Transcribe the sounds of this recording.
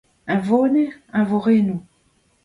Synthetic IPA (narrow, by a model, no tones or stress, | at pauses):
ɛ̃vonɛɛ̃voʁenu